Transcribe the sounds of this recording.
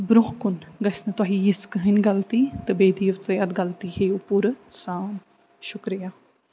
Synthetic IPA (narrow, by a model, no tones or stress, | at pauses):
bɾʊɦkʊnɡɐsnɐt̪aɦijiskəɦinɡɐlt̪it̪ɨbeːd̪iːʋt͡sɐjɐd̪ɡɐlt̪ihejupuɾsaːn | ʃʊkɾijaː